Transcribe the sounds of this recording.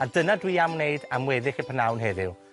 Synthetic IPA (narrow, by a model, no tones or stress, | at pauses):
adənadwiːamneɨdamwɛðɪxəpʰənawnɦɛðɪw